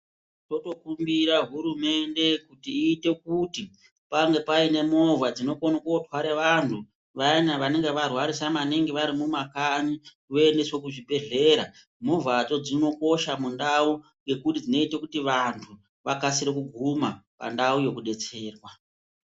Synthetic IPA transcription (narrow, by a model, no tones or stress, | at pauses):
to̞to̞kumbiɾaɦuɾume̞nde̞kutiːte̞kuti | paŋɡe̞paine̞mo̞vad͡zino̞konakotwaɾeʋantʰu | ʋainaʋane̞ŋɡeʋarwaɾisamaneŋɡeʋaɾimumakani | ʋoendeswo̞kuʐibʱe̞ɮe̞ːɾa | movat͡so̞d͡zino̞ko̞ʃamundauŋɡe̞kutid͡zino̞itekutiʋantʰu | ʋakasiɾikuɡʱumapa̰ndauje̞kuɗe̞t͡se̞ːrwa